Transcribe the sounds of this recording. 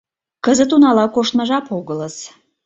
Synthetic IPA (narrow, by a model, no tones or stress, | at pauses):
kəzət̪unɑlɑkoʃt̪mɑʒɑpoɣələs